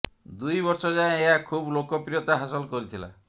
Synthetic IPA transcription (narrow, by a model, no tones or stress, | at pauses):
d̪ujbɔɾsɔd͡ʒaẽeɦakʰublokɔpɾiɔt̪aɦasɔlkɔɾit̪ʰila̰